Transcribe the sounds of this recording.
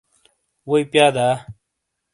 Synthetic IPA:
woipjaːd̪aː

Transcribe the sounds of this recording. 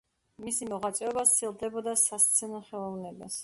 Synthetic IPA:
misimɔʁat̪sʼɛɔbat̪sʰilˠd̪ɛbɔd̪asast̪sʰɛnɔχɛlˠɔvnɛba̰s

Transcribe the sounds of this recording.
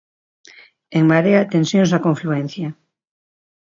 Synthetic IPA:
eŋmaɾeat̪ẽnsjonsakõɱfluen̟θja

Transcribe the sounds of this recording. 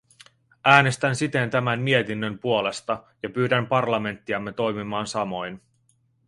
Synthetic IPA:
æːnest̪ænsit̪e̞nt̪æmænːiet̪inːømpuo̞le̞st̪ɑ | jɑpyːɾæmpɑrlɑme̞nt̪ːiɑmːe̞t̪o̞jmimɑːnsɑmo̞jn

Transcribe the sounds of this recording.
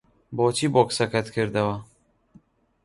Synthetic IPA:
boːt͡ʃʰiːboksɐkʰɛt̪kʰɨɾd̪ɐwɐ

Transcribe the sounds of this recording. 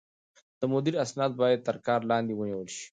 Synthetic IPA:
d̪̥əmʊd̪iɾasnɑt̪̚bɑjad̪̚t̪əɾkɑːɾlɑnd̪iwəniwəlʃi̥

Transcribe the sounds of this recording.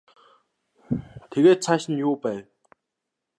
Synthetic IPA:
t̪ʰeɣeːt̪̚t͡ɕʰaɕĭnjoːpal

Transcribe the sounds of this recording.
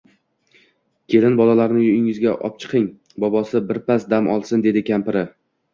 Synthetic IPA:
kʲʰe̞lɪnbɒlˠalaɾnɪjʊɪŋɪzɡʲaʔɒ̰p̚t͡ʃʰɨ̥qʰɪŋ | bɒbɒsɪbɪɾpasd̪amʔɒ̰lˠsɪnd̪e̞d̪ɪkʲʰampɪɾɪ

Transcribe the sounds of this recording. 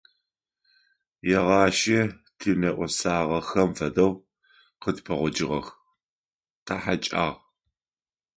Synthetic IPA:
jɛʁɑːʃɐ | tʰinɐʔʷɔsaːʁɐxɐmfɐdɐw | qətpʰɐʁʷɔd͡ʒɪʁɐ̰x | taħat͡ʃʼa̰ːʁ

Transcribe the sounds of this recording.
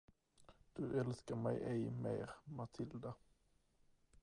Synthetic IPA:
d̪̥ɵʔɛlskəɾmɛɪʔɛɪmḛːɾmat̪ʰɪld̪a

